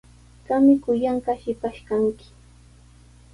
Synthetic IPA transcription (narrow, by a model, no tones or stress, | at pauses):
kamɪkʊjaɴɢɑʃɪpaʃkaŋkɪ̥